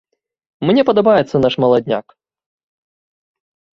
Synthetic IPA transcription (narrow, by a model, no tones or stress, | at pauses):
mnʲɛpɐd̪ɐbajɛt̪sːɐnaʂmɐlˠad̪ʲnʲa̰k